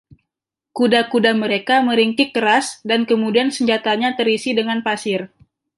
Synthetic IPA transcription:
kudakudaməɾekaməɾiŋkɪk̚kəɾasdankəmudiansəɲd͡ʒat̪aɲat̪əɾisidəŋanpasɪr

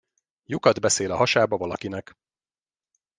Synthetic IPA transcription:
jukɒd̪bɛseːlɒɦɒʃaːbɒvɒlɒkinɛk

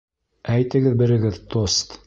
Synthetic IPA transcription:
æjt̪ɘ̆ɡɘðbɘ̆ɾɘ̆ɡɘðt̪ost̪

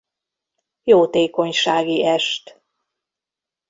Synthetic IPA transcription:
joːt̪eːko̞ɲʃaːɡiɛʃt̪

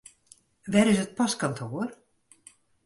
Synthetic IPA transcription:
ʋɛɾɪs̬ət̚pɑskantʰoːr

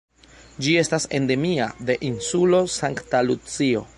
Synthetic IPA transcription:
d͡ʒie̞stase̞nde̞miade̞ʔinsulo̞saŋktalut͡sio̞̰

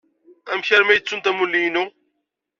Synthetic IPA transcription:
æmçæɾmæjət͡sːunt̪æmulːijnu

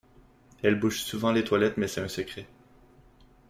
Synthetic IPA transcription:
ɛlbuʃsuvɑ̃let̪walɛt̪mɛsɛɛ̃səkχe

